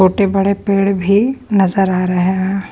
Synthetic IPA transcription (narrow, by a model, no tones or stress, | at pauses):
oːʈebɐɽepeːɽbʱinɐzəɾaːɾɐɦeɦɛ̃